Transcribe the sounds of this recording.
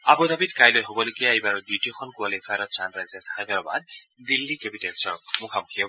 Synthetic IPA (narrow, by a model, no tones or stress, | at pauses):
abɔdabitkajlojɦobɔloɡijaejbaɹɔdutiɔxʰɔnkualefʰaɾɔt̚sandɹajzɛsaxadɔɹɔba̰ddilːikepitɛtsɔɹmʊkʰamʊkʰijɔ